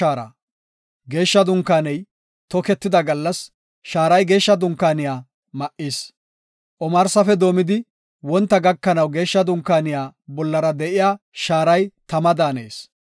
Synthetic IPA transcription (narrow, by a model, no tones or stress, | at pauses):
aːɾɐ̰ | ɡe̞ːʃːɐd̪ʊŋkːaːnɛj | t̪ɔkɛt̪ːɪd̪ɐɡɐlːɐs | ʃaːɾɐjɡe̞ːʃːɐd̪ʊŋkːaːnɪjaː | mɐʔiːs | ʔɔmɐɾsɐfɛd̪o̞ːmɪd̪ɪ | wɔnt̪ːɐɡɐkːɐnɐwɡe̞ːʃːɐd̪ʊŋkːaːnɪjaːbɔlːɐɾɐd̪ɛʔɪjaː | ʃaːɾɐjt̪ɐmɐd̪aːnḛːs